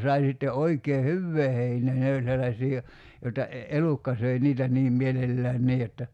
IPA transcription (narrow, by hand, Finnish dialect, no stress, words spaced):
sɑi sitːe oikeː hyʋːeː heineː ne olʲ selːɑsʲiː jo joĭtɑ e elukːɑ søi niːtæ niːm mielelːæːn niː jotːɑ